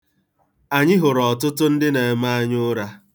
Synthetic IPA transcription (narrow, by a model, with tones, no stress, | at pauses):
a˨ɲɪ˦ɦʊ˨ɾɔ˨tʊ˦tʊ˦n̩˦dɪ˦ne˨e˨ma˦a˦ɲʊ˦ɾa˦